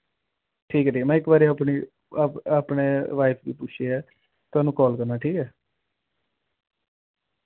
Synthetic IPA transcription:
ʈʰiːkɛːʈʰiːmɛ̃ːɪkbaːɾeaːpɳiː | apneːʋaːɪpʰɡiːpʊt͡ʃʰeɛː | t̪ʊaːnũːkɔːlkəɾnaːʈʰiːkɛː

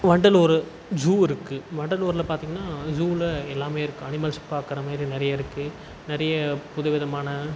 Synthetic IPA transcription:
ʋɐɳɖɐlɔːɾɯ | d͡ʒuːɪɾɯkːɯʋɐɳɖɐluːɾɪlɐpaːɾt̪iːŋɡɐnːaːd͡ʒuːlɐɛlːaːmeːɪɾɯkːɯɐnɪmɐlsɪ̥pːaːkɪɾɐmaːd̪ɾinɪɾɐjɐɪɾɯkːɯ | nɪɾɐjɐpʊðɐʋɪðɐmaːnɐ

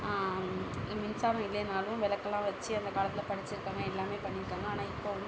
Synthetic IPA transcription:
mɪnsaːɾɐ̃ɪlːɛnaːlʊ̃ʋɛlɐkːɐlːãːʋɐt͡ʃːɯɐnd̪ɐkaːɭɐt̪ːɪlɐpɐɽɪt͡ʃːɪɾɯkːaːŋɡɐɛlːaːmeːpɐɳːɪɾɯkːaːŋɡɐaːnãːɪpːoːn

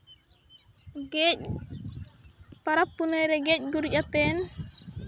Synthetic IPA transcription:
ɡɛc | paɾapːunɛɾɛɡɛc̚ɡuɾɟatːɛːn

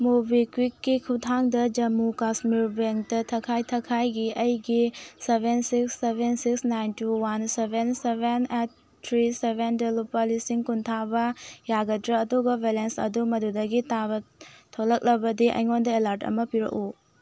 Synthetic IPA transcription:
mubʱikwikːikʰutʰaŋdɐd͡ʒɐmukasmiɾbeŋk̚tɐtʰɐkʰajtʰɐkʰajɡiɐjɡisebʱensiksːebʱensiksnajntuwansebʱensebenet̚ʰː | ɾisebʱendelupːɐlisiŋkuntʰabɐjaɡɐdɾɐːduɡɐbʱelensɐ̰dumɐdudɐɡitʰabɐtʰolɐk̚lɐbɐdiʔɐ̰jŋondɐelaɾtɐ̰mɐpiɾɐ̰ku

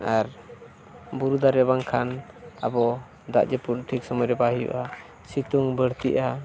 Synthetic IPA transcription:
aɾ | buɾud̪aɾɛbaŋkʰan | a̰bɔ | d̪a̰ʔd͡ʒɛputʈʰik̚sɔmɔjɾɛbaɦijṵʔa | sit̪uŋbəɽt̪iʔa

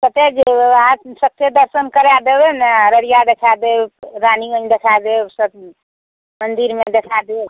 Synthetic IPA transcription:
kət̪ed͡ʒeasək̚t̪ed̪əɾsənkəɾad̪ebenaɾəɾijad̪ekʰad̪eɾaniənd̪ekʰad̪esəb̚ | mənd̪iɾmed̪ekʰad̪e

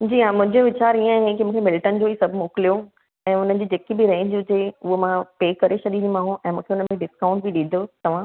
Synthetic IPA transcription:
d͡ʑiːãːmʊ̃ɦd͡ʑeʋɪt͡ɕaːɾiə̃ɦẽkimũːkʰemɪlʈənd͡ʑoːisɐbʱmoːkɪlijo | ɛ̃ːʊnən̆d͡ʑiːd͡ʑeːkibɪɾɐɦĩd͡ʑʊd͡ʑeʊɦomãpeːkɐɾeʃʰɐɗinimãːɦũʔɛ̃ːmũːkʰeʊnəmẽɖɪskãːʊ̃ɳʈ̚bɪɗɪ̃nd̪ʱot̪ɐʋ̤ã

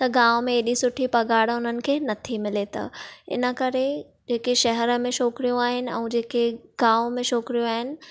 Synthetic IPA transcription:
t̪ɐɡãːʋomẽeːɗisʊʈʰipɐɡaːɽʊnənɪ̆kʰeːnɐt̪ʰimɪlet̪a̰ɪ̰nə̆kɐɾe | d͡ʑeːkeʃɐɦɛɾəmẽʃoːkɾijũaːɦɪnɪ̆ɛ̰̃ːd͡ʑeːkeɡ̥aːʋomẽʃoːkɾijũaːɦɪnɪ̆

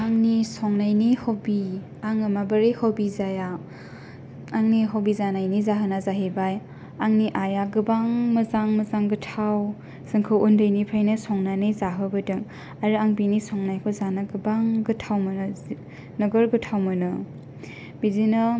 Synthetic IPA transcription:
aŋnisɔŋnajnihɔwbi | aŋɯmabɯɾehɔwbizaja | aŋniɦɔwbizanajnizaɦɯnazaɦibaj | aŋniʔajaɡɯbaŋmɯzaŋmɯzaŋɡɯtʰaw | zɯŋkʰɯwundɯjnipʰajnɯsɔŋnanɯjzaɦɯbɯdɯŋ | aɾɯaŋbinisɔŋnajkʰɔzanaɡɯbaŋɡɯtʰawmɯnɯ | nɯɡɯɾɡɯtʰawmɯnɯ | b̥izinɯ

